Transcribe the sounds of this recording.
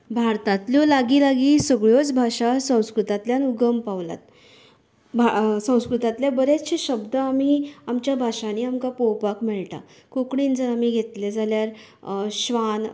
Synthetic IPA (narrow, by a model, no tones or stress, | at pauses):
bʱaɾt̪at̪ljɔlaɡiːlaɡiːsəɡɭjot͡sbʱaɕasə̃w̃skɾut̪at̪ljanuɡəmpaʋla̰t̪̚ | bʱasə̃w̃skɾut̪at̪ljabəɾet͡sɕiɕəbd̪əamiːamt͡ɕjabʱaʂaniamkapowpakmɛɭʈa̰ | kokɽind͡zəɾamiːɡʱet̪led͡zʱaljaɾ | ɕʋan